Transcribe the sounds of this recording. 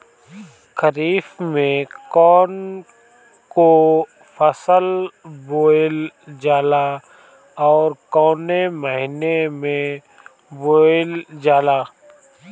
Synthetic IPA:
kəɾiːfmẽkɔːn | ko | fʰəsəlboːld͡ʒaːla | ɔːɾkɔːneməɦɪnemẽ | boːld͡ʒaːlaː

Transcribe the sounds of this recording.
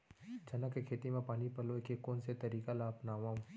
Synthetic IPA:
d͡ʒɐnakekʰeːt̪imẽpaːnipɐloekekoːnset̪ɐɾiːkalaːpnaːʋã

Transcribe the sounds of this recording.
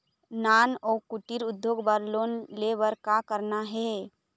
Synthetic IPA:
naːnɔːkuʈiɾʊd̪ʱjoːɡbaɾloːnlebəɾkakəɾnaɦɛ

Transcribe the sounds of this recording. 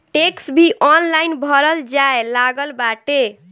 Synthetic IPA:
ʈeksbʱiʔɔnlajnbʱəɾəld͡ʒaelaɡəlbaʈe

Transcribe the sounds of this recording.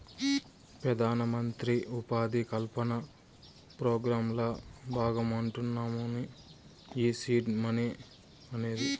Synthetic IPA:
pɾɐd̪ʱaːnɐmɐnt̪ɾiupaːd̪ikɐlpɐnɐ | pɾoːɡɾaːmlɐbʱaːɡɐmɐɳʈunːaːmuni | iːsiːʈmɐne | ɐne̞ːd̪i

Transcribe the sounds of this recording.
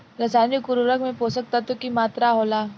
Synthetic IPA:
ɾəsanikuɾuɾəkmẽposək̚t̪at̪ukimat̪ɾaɦola

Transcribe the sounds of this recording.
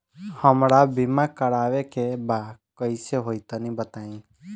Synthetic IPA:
həmɾaːbimaːkəɽaːʋekebakəɪseɦoːit̪anĩːbət̪aːĩː

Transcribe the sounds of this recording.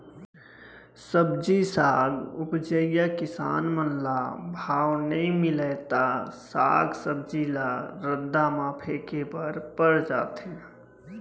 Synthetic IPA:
səbd͡ʒisaːɡʊpd͡ʒəjakɪsa̰ːnmənlabʱaːwnəĩmɪlɛt̪asa̰ːɡsəbd͡ʒilaɾəd̪ːamaːpʰekepəɾpəɽd͡ʒaːt̪e

